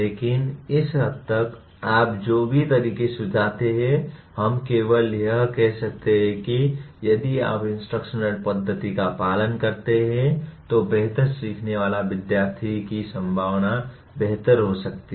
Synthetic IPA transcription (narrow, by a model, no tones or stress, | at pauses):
leːkɪnɪsɦət̪ːək | aːp̚d͡ʒoːbʱit̪ɐɾiːkesʊd͡ʒʱaːt̪eɦɛ̃hɐmkeːʋəljəɦkɛɦsɐk̚t̪eɦɛ̃kijɐd̪ia̰ːpɪ̃nsʈɾəkʃənəɽpəd̪ʱːət̪ikapaːlənkɐɾt̪eɦɛ̃t̪obeɦt̪əɾsiːkʰneʋaːlaʋɪd̪jaːɾt̪ʰikisə̃mbʱaːʋna | beɦt̪əɾɦosɐk̚t̪i